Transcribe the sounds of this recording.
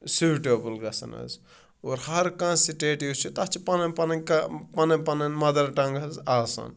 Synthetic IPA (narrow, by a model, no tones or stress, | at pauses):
suʈoːbulɡɐsɐ̰nɐ̰z | oːɾhɐɾkãːsiʈeːʈiut͡ʃʰit̪ɐt͡ʃʰipɐnɐnpɐnɐkɐpɐnɐ̃pɐnɐnmɐd̪ɐɾʈɐ̃ŋɡɐzaːsɐ̰n